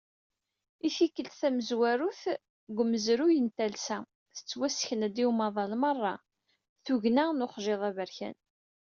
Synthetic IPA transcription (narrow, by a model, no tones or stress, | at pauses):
ifikːəlt̪θæməzwæɾuθ | ɡʷəmːəzɾujənt̪ælsæ | θə̥t͡sːwæsçənæd̪iwmɑðˤɑlmərˤːɑ̰ | θuʝnænʊχʒeðˤævəɾçæ̰n